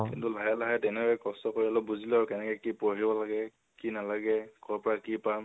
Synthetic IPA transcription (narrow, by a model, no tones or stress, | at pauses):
kḭntulʱajalaɦɛtɛnɛɔɛkɔstɔkoɹialɔbuzilɔɹkɛnɛkɛkipoɦibɔlaɡɛ | kinalaɡɛkɔɹɔpɔɹakipam